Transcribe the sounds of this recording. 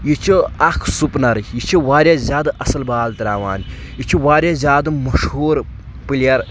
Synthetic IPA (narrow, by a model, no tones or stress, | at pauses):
jit͡ʃʰiɐkʰsupnɐɾjit͡ʃʰiʋaːɾʲjazʲjaːd̪ʔɐsɐlbaːlt̪ɐɾaːʋaːn | jit͡ʃʰiʋaːɾʲjazʲjaːd̪ɐmɐʃɦuːɾ | pɨljɐɾ